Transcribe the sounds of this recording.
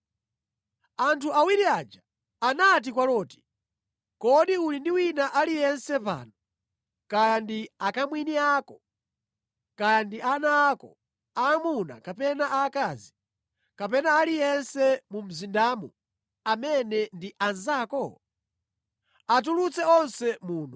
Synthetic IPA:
antʰuawiɾiaːd͡ʒa | anat̬ikwalɔːti̥ | kɔɗiulindiwinaʔalijɛnsɛpa̰ːnɔ | kaandiakamwiniaːkɔ | kandiʔanaːkɔ̰ | amuna̰kapɛnaʔaːkaːzi | kapɛnaːlijɛnsɛmum̩zindaːmu | amɛnɛndiʔanzaːkɔ | at̬ulut͡sɛɔnsɛmuːn̤u

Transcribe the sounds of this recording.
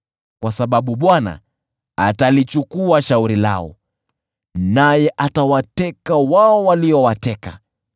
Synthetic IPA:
kwasaɓaɓuɓwana̰ | a̰talit͡ʃukuaʃauɾila̰ɔ̰ | najɛʔatawatɛkawaɔwaliɔwatɛka

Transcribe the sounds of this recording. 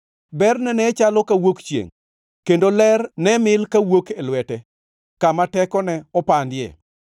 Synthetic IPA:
bɛrnɛnɛt͡ʃalɔkawokt͡ʃjḛŋ | kendolɛrnɛmɪlkawokelwɛtɛ | kamatɛkɔnɛɔpandɪjɛ̰

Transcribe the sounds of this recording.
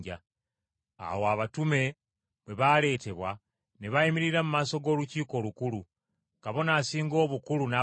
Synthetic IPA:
ɟa | a̰woaβatume̞ | βwe̞βale̞ːte̞βwa | neβajimiɾiɾamumaːso̞ɡo̞ːluciːko̞ːlukulu | kaβo̞naːsiːŋɡo̞ːβukuluna

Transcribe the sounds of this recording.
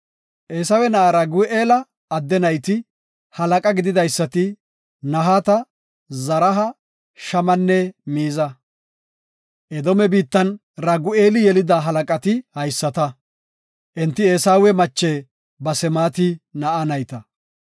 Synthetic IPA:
ʔeːsɐwɛnɐʔɐɾɐɡʊʔeːlɐː | d̪ːɛnɐjt̪ɪ | hɐlɐkʼɐɡɪd̪ɪd̪ɐjsːɐt̪ɪ | nɐɦaːt̪ɐ | zɐɾɐɦɐ | ʃɐmɐnːɛmiːzɐ | ʔɛd̪ɔmɛbiːt̪ːɐn | ɾɐɡʊeːlɪjɛlɪd̪aɦɐlɐkʼɐt̪ɪhɐjsːɐt̪ɐ | ʔɛnt̪ːɪe̞ːsaːwɛmɐt͡ʃːeː | bɐsɛmaːt̪ɪnɐʔɐnɐjt̪ɐ

